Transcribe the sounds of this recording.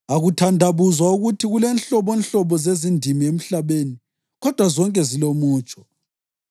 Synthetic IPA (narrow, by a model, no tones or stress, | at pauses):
aɣutʰandʱaβuzwauɣutʰiɣulɛnɬɔβɔnɬɔβɔzezindʱimiem̩ɬaβeːni | ɣɔd̥ʱwazɔŋkʼɛzilomuːt͡ʃʼɔ̥